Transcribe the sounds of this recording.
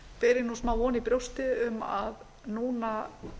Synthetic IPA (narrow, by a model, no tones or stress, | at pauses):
pɛːɾɪnusmaːwɔːnipɾjowst̪ɪʏma̰ð | nuːna